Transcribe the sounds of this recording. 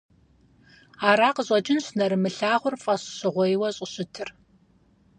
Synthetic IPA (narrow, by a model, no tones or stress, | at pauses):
aːɾaːqəɕʼɐd͡ʒʼɪnɕnɐɾɨmɨɬaːʁʷʊrfʼɐɕɕɨʁʷɔjwɐɕʼɪɕɪtʰɨr